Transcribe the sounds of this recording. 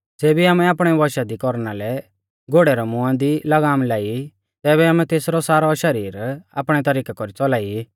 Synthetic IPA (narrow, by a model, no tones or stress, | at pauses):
d͡zeːbiaːmɛaːpɽ̃ɛʋɔʃad̪ikɔɾnalɛ | ɡoːɽɛɾɛmʊ̃ãd̪ilɐɡaːmlaːi | t̪ɛːβɛaːmɛ̃t̪eːsɾɔsaːɾɔʃɐɾiːɾa̰ːpɽ̃ɛt̪ɐɾiːkakɔɾit͡sɔlaːi